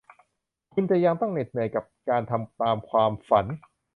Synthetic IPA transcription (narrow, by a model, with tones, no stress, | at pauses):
kʰu˧nt͡ɕa˨˩ʔja˧ŋt̪ɔ˥˩ŋne˨˩t̪̚nɯ˨˩əjka˨˩p̚kaː˧nt̪ʰa˧mt̪aː˧mkʰwaː˧mfa˩˦n